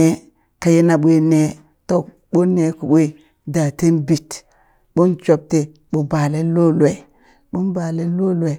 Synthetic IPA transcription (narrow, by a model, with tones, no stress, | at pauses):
e˦ | ka˨je˦na˨ɓʷe˦ne˦ | to˦ | ɓo˦nːe˨ku˨ɓʷe˦ | da˨te˦nbi˨t | ɓo˦nt͡ʃo˨p̚te˨ | ɓo˨ba˨le˦lo˦lwe˨ | ɓu˦nba˨le˦lo˦le˨